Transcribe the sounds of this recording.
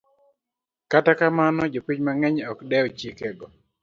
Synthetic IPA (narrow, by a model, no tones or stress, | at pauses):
katakamanɔd͡ʒopiɲmaŋɛɲɔkdɛɔt͡ʃikɛɡɔ